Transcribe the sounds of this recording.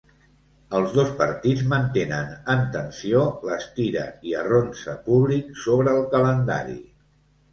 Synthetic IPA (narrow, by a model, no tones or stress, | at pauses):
əlˠzðospəɾt̪id͡zmənt̪enənənt̪ənsioləst̪iɾə̰iəronsəpuβliksoβɾəːlˠkələnd̪a̰ɾḭ